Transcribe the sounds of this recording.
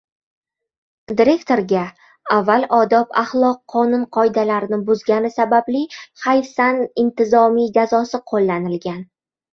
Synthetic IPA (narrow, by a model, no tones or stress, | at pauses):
d̪ɪɾe̞kt̪o̞ɾɡʲa | avːalʔɒd̪ɒpʰaχlˠɒqʰːɒnʊnqʰɒjd̪alaɾɪnɪbʊzɡʲanɪsabablɪhajsanɪnt̪ɪzɒmijd͡ʒazɒsɪqʰolːanɪlɡʲan